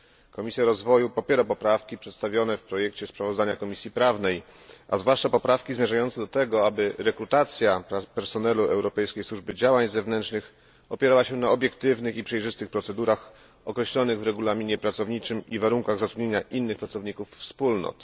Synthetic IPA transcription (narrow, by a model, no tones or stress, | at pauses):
kɔmʲisʲjaɾɔzvɔjupɔpʲjeɾapɔpɾafkʲipʂɛt̪st̪avʲjɔnɛfpɾɔjɛkt͡ɕɛspɾavɔzd̪aɲakɔmʲisʲjipɾavnɛj | ʔa̰zvwaʂt͡ʂapɔpɾafkʲizmʲjɛʐajɔnt̪sɛd̪ɔt̪ɛɡɔabɘɾɛkɾut̪at̪sʲjapɛɾsɔnɛluʔɛwɾɔpɛjskʲejswuʐbɘd͡ʑawaɲzɛvnɛntʂnɘx | ɔpʲjɛɾawaɕɛnaɔbʲjɛkt̪ɘvnɘxipʂɛjʐɘst̪ɘxpɾɔt̪sɛd̪uɾax | ɔkɾɛɕlɔnɘɣvɾɛɡulamʲiɲɛpɾat̪sɔvɲit͡ʂɘmivaɾuŋkaɣzat̪ɾud̪ɲeɲaʔinːɘxpɾat̪sɔvɲikufːspulnɔ̰t̪